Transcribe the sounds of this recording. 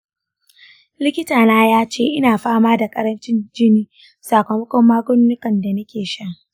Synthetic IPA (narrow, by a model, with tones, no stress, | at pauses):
lɪ˦kʲɪ˦taː˨naː˦jaː˦t͡ʃeː˦˨ʔɪ˦naː˨ɸaː˦maː˦da˨kʼɐ˦ɾɐ˦nt͡ʃɪ˦nd͡ʒɪ˦niː˦ | saː˨kʷɐ˨mɐ˦kʷɔ˦mːaː˦ɡʷʊ˦nːʊ˦kɐ˨nda˨nɐ˦kʲeː˨ʃɐ˦ŋ